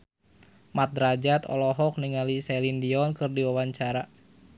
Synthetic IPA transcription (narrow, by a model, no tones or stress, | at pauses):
mat̪̚dɾad͡ʒat̪ɔ̰lɔɦɔk̚niŋalisɛlindiɔnkɨrdiwawaɲt͡ʃaɾa